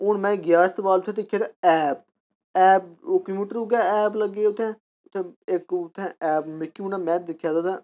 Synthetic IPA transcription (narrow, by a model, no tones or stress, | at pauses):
ʊnmɛ̃ːɡjaːst̪baːlt̪ʰẽːd̪ɪkʰːjaːt̪ːɛːp̚ | ɛːp̚oːkimiːʈəɾʊɡaːɛːpləɡːeːʊt̪ʰːẽː | ʊt̪ʰːẽːɪkʊt̪ʰːẽːɛːpmɪkːiunaːmɛ̃ːd̪ɪkʰːjaːd̪aːd̪aː